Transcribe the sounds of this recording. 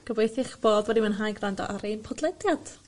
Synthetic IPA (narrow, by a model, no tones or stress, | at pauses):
ɡ̥əvejθɪχb̥oːdwɛdimənɦajɡrandɔ̰ʔaɾenpʰɔdlˠɛdjad̥